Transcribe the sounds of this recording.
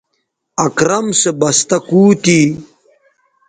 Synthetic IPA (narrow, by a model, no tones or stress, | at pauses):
ɐkɾɐmsebɐst̪ɐkuːt̪i